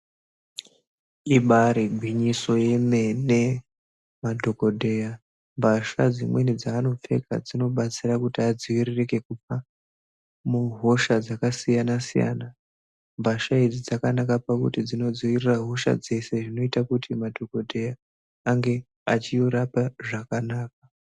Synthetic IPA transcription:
iɓaɾibʱwiɲiso̞je̞me̞ne̞ | madʱo̞ko̞dʱe̞ja | mbʱaʃad͡zimwe̞nid͡zaːno̞p͡fe̞̰ka̰d͡zino̞ɓat͡sirakutiad͡ziwirireke̞kupa | muɦo̞ʃad͡zakasijanasija̰na | mbʱaʃaid͡zid͡zakanakapakṵtid͡zino̞d͡ziwiriraɦo̞ʃa̰d͡ze̞se̞ʐino̞itakutʰimadʱo̞ko̞dʱe̞jaː | ŋɡe̞ | at͡ʃijoɾapaʐakanaːk̚a

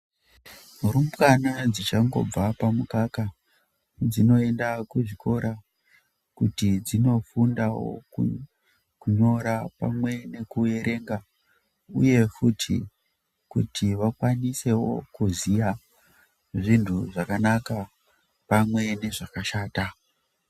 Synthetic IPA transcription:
uɾumkanad͡zit͡ʃaŋɡo̞̰b͡vapamukaka | d͡zino̞e̞ndakuʐikʰo̞ɾa | kutid͡zino̞fundawo̞̰u | kuɲo̞ɾapa̰mwe̞ne̞kue̞ɾʔe̞ŋɡa | ṵje̞futʰḭ | kutʰiʋakwanise̞wo̞̰kuzija | ʐintʰuʐakanaka | pamwe̞ne̞ʐakaʃaːta

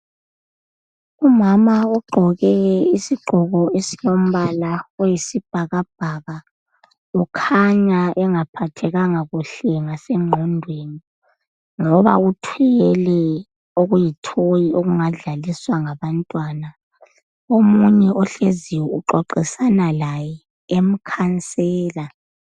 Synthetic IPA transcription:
umamauɡ͡ǃʱɔɣɛisiɡ͡ǃʱɔɣɔesijom̩βalawejisib̥ʱaɣab̥ʱaɣa | ukʰaɲaʔɛŋapʰatʰɛɣaŋaɣuɬɛŋasɛŋ͡ǃʱɔndʱweːni | ŋɔβa̰utʰijɛlɛ | oɣujitʰojioɣuŋaɮaliswaŋaβantʼwana | omuɲɛʔɔɬeziwɛuǃɔǃisanalajɛ | em̩kʰant͡sʼɛːla

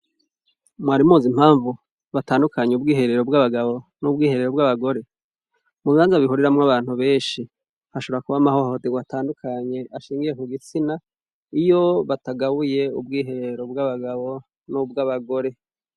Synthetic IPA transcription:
mwaːɾimuːzim̥haːɱvu | βataːndukʰaɲeubɡiːɦe̞ɾe̞ɾo̞bɡaβaɡaβo̞nubɡiːhe̞ɾe̞ɾo̞bɡaβaɡo̞ɾe̞ | muβiaːnzaβihuɾiɾamŋaβaːn̥huβe̞ːnʃi | haʃoβoɾakuβamaho̞hoteɡwataːndukʰaɲe̞ʔaʃiːŋɡije̞kuɡit͡sina | ijo̞βataɡaβuje̞ub̚ɡiːɦe̞ɾeɾo̞bɡaβaɡaβo̞ | nubɡaβaɡo̞ɾe̞

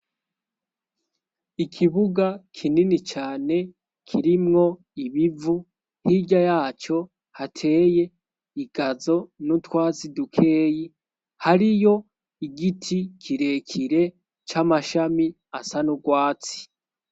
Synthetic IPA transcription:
ikʰiβuɡakʰininit͡ʃaːne̞ | kʰiɾimŋo̞ | iβivu | hiɟajaːt͡ʃo̞ | hatʰe̞ːje̞ | iɡ̥azo̞nutwaːzidukʰe̞ːji | haɾijo̞ | iɡitʰikʰiɾe̞kʰiɾe̞ | t͡ʃamaʃami | asanuɡwaːt͡si̥

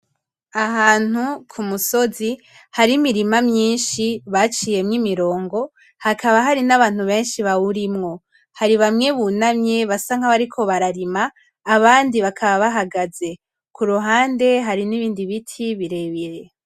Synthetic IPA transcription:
aɦaːn̥ukʰumuso̞zi | haɾimiɾimamɲiːnʃiβat͡ʃije̞mŋimiɾo̞ːŋɡo̞ | hakʰaβaɦaɾinaβaːn̥huβe̞ːnʃiβaβuɾimŋo̞ | haɾiβamŋe̞βunamɲe̞βasaŋ̥aβaɾikʰo̞βaɾaɾimaː | βaːndiβakʰaβaβaɦaɡaze̞ | kʰuɾuɦaːnde̞ɦaɾiniβiːndiβitʰiβiɾe̞βiɾe

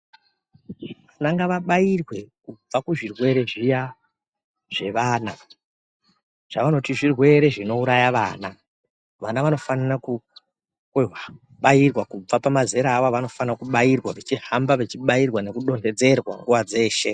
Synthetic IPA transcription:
ʋanaŋɡaʋaɓajirwe̞kub͡vakuʐirwe̞ɾe̞ʐija | ʐ̥e̞ʋaːna | ʐ̥aʋano̞tiʐirwe̞ɾe̞ʐino̞uɾajaʋaːna | ʋanaʋano̞fananaku | ɦa | ɓajirwakub͡vapamaze̞ɾaːwaʋano̞fanakuɓairwaʋet͡ʃihambaʋet͡ʃiɓairwane̞kuɗo̞nde̞d͡ze̞rwa̰ŋɡuʋad͡ze̞ːʃe̞

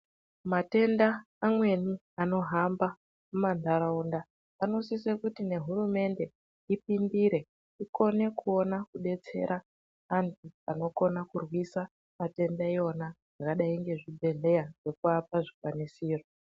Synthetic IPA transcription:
mate̞ndaː | mwe̞ni | ano̞ɦamba | mumanaɾaundaː | no̞sisekutine̞ɦurume̞nde̞ | ipindiɾe̞ | iko̞ne̞kuo̞nakuɗe̞t͡se̞̰ɾa | antʰuano̞ko̞nakurwisa | mate̞ndaio̞naʐakaɗaiŋɡe̞ʐibʱe̞ɮe̞jaʐ̥e̞kuapaʐikwanisiːro

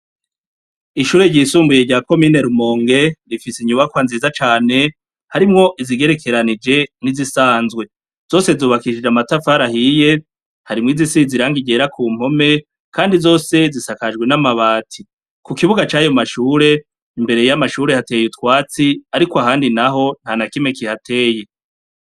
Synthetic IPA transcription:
iʃuːɾe̞ɟiːsuːmbuje̞ɟaːko̞mineɾumo̞ːŋɡe̞ɾifisiɲuβakwanziːzat͡ʃaːne̞ | haɾimŋo̞ʔiziɡe̞ɾe̞kʰe̞ɾanid͡ʒe̞nizisaːnzɡwe̞ | z̥o̞ːse̞zoβakiʃid͡ʒamatafaɾaɦije̞ | haɾimŋiːzisiziɾaŋɡiɟe̞ɾakʰuːm̥ho̞me̞ | kʰaːndizo̞ːse̞zisakad͡ʒɡwe̞namaβaːtʰi | kukiβuɡat͡ʃaːjomaʃuːɾe̞ | imbe̞ɾe̞jamaʃuːɾe̞hate̞ːjutwaːt͡siaɾikoaɦaːndinaɦo̞n̥hanakime̞kihatʰe̞ːje̞

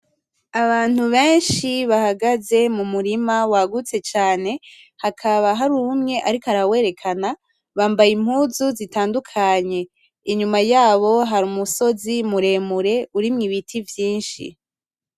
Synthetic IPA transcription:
aβaːn̥huβeːnʃiβahaɡaze̞mumuɾimawaɡut͡se̞t͡ʃaːne̞ | hakʰaβaɦaɾumŋe̞ʔaɾikoaɾawe̞ːɾe̞kʰana | βaːmbajim̥huːzuzitaːndukʰaɲe̞ | iɲumajaːβo̞ɦaɾuːmuso̞zimuɾe̞ːmuɾe̞uɾimŋiβitʰivjiːnʃḭ

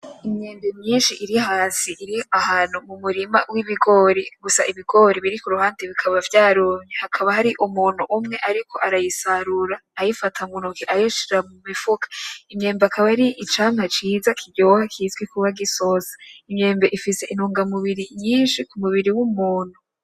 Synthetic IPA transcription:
imɲe̞ːmbe̞ɲɲiːnʃiʔiɾihaːsiʔiɾiahaːn̤̥umumuɾima̰wiβiɡo̞ɾeɡusa̰iβiɡo̞ɾiβiɾikuɾuhaːndeβikʰaβavjaːɾoɲehakʰaβahaɾiʔumuːn̥uʔumŋe̞ʔaɾikʰo̞ʔaɾajisaɾuɾaːjifatʰamunukiʔajoʃiɾamumifukḁimɲe̞ːmbakʰaβaiɾiʔit͡ʃaːmat͡ʃiːzakʰiɟoːhakʰizɡwikuβaɡiso̞zḁimɲe̞ːmbeʔifise̞ʔinuːŋɡamuβiɾiɲiːnʃikumuβiɾiwumuːn̥hu

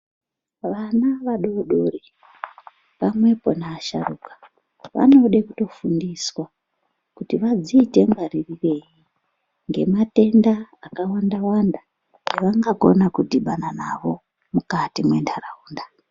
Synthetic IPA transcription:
ʋanaʋaɗo̞ɗori | pamwe̞po̞naːʃa̰rukḁ | ʋa̰no̞ɗekuto̞fundiswa | kutiʋad͡ziːte̞ŋɡaririre̞ji | ŋɡe̞mate̞ndaːkawandawanda | ŋeʋaŋɡako̞̰nakudiɓananaʋo̞ | mukatimwe̞ndarauːnda

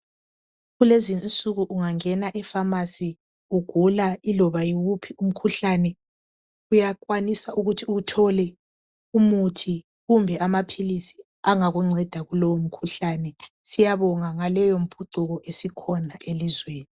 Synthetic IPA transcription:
ɣulezint͡sʼuɣuʔuŋaŋɛnaʔɛfamasi | uɡ̥ʱulailɔβajiwupʰium̩kʰuɬanɛ | ujakʼwanisauɣutʰiuɣutʰɔlɛ | umutʰi | ɣumbʱɛʔamapʰilisi | aŋaɣuŋ͡ǀʱɛd̥ʱaɣulowom̩kʰuɬanɛsijaβɔŋaŋalɛjom̩pʰuǀuɣɔʔesikʰɔnaʔelizweːni

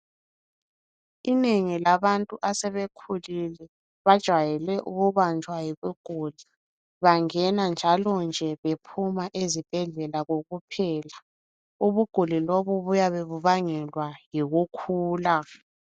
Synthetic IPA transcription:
ineŋilaβantʼuʔasɛβekʰulilɛ | βad̥ʒ̥ʱwajɛlɛʔuɣuβant͡ʃwajiβuɡ̥ʱuːli | βaŋɛnand͡ʒʱalɔnd͡ʒʱɛβepʰumaʔezib̥ʱɛɮɛlaɣoɣupʰɛːla | uβuɡ̥ʱuliloβuβujaβeβuβaŋɛlwajiɣukʰuːla

